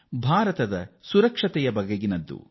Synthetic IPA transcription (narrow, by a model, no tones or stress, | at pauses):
bʱaːɾɐt̪ɐd̪ɐsuɾɐkʂɐt̪ɛjɐbɐɡɐɡinɐd̪ːṵ